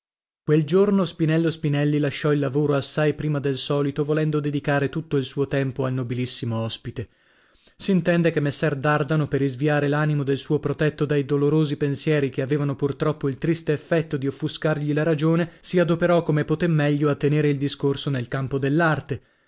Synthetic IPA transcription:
kweld͡ʒornospinɛlːospinɛlːilaʃːɔilːavoːɾoasːajpɾiːmad̪elsɔːlit̪ovolɛnd̪od̪ed̪ikaːɾet̪ut̪ːoilsuːot̪ɛmpoalnobilisːimoɔspit̪e | siːnt̪ɛnd̪ekemːesːɛrd̪ard̪anoperːizviaːɾelaːnimod̪elsuːopɾot̪ɛt̪ːod̪ajd̪oloɾoːzipensjɛːɾikeaveːvanopurt̪ɾɔpːoilt̪ɾist̪eːfːɛt̪ːod̪iofːuskarʎilaɾad͡ʒoːnesiad̪opeɾɔkomepot̪emːɛʎːoat̪ːeneːɾeild̪iskorsonelkampod̪elːart̪e

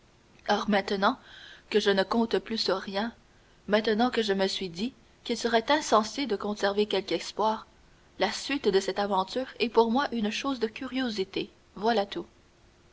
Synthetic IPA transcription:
ɔʁmɛ̃t̪ənɑ̃kəʒənəkɔ̃t̪plysyʁʁjɛ̃ | mɛ̃t̪ənɑ̃kəʒəməsɥid̪i | kʲilsəʁɛt̪ɛ̃sɑ̃sed̪əkɔ̃sɛʁvekʲɛlkɛspwaːʁ | lasɥit̪d̪əsɛt̪avɑ̃t̪yːʁɛpuʁmwaʔynʃoːzd̪əkʲyʁjozit̪e | vwalat̪u

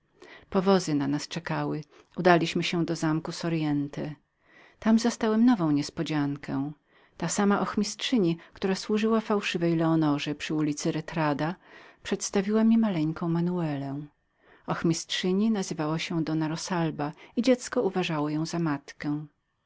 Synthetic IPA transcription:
pɔvɔzɘnanast͡ʂɛkawɘ | ud̪alʲiɕmɘɕɛ̃d̪ɔzamkusɔɾjɛnt̪ɛ | t̪amzast̪awɛmnɔvɔ̃w̃ɲɛspɔd͡ʑaŋkʰɛ̃ | t̪asamaʔɔxmʲistʂɘɲikt̪uɾaswuʐɘwafawʂɘvɛjlɛɔnɔʐɛpʂɘulʲit̪sɘɾɛt̪ɾad̪apʂɛt̪st̪avʲiwamʲimalɛŋkɔ̃w̃manuɛlɛ̃ | ɔxmʲistʂɘɲinazɘvawɔɕɛd̪ɔnaɾɔsalbaid͡ʑɛt̪skɔuvaʐawɔjɔ̃w̃zamat̪kɛ̃

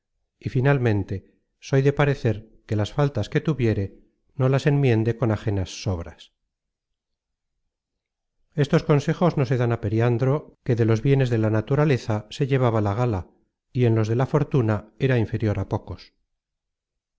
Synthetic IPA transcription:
ifinalmẽ̞nt̪e̞ | so̞jðe̞paɾe̞θe̞ɾke̞lasfalt̪aske̞t̪uβje̞ɾe̞ | no̞lase̞mmje̞nd̪e̞ko̞naχe̞nasːo̞βɾas | e̞st̪o̞sko̞nse̞xo̞zno̞se̞ðanape̞ɾjand̪ɾo̞ke̞ðe̞lo̞zβje̞ne̞zðe̞lanat̪uɾale̞θase̞ʎe̞β̞aβalaɣ̞ala | ie̞nlo̞zð̞e̞lafo̞ɾt̪unae̞ɾaiɱfe̞ɾjo̞ɾapo̞ko̞s

